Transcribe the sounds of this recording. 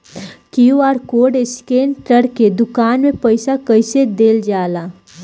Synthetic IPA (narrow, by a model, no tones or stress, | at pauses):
kijuaːɾkoːɖeskeːnʈəɽked̪ʊkaːnmẽpəɪsakəɪsed̪eːld͡ʒaːlaː